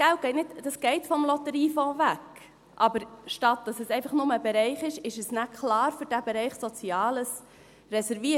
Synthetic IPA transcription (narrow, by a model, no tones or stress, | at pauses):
ɡ̥ælt̚ɡ̥ɛɪtnɪtd̥ɑsɡ̥ɛɪtfɔmlɔtəɾiːfõːvæk | ʔɑbəɾʃtɑt̚d̥ɑsɛsɛɪfɑχnʊməbeɾɛɪχɪʃɪʃəsnækʰlɑːɾfʏɾd̥æbɛɾɛɪχsɔt͡siɑːləs | rɛsɛɾviə